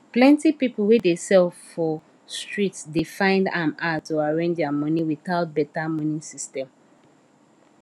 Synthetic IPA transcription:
plɛ̃ntipiplˠwedesɛlfːɔ | stɹitsdifãɪ̃ndãmatuaɹẽnd͡ʒamʌ̃niwiθaʊt̚bɛtamɔ̃nĩsistɛ̃m

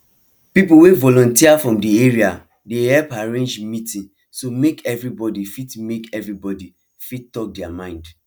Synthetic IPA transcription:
pipuwevɔlɔ̃ntiafɹɔ̃mdieɹia | dehɛlpaɹẽnd͡ʒmitĩn | somekɛvɹibɔdifitmekɛvɹibɔdi | fittɔk̚dɛamãɪ̃nd

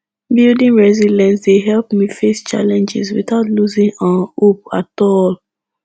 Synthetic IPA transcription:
bildĩŋɹɛzilɛ̃nsdeɦɛlpmifest͡ʃa̰lɛ̃nd͡ʒɪ̰zwḭθaʊtluzĩŋãnup̚atɔl

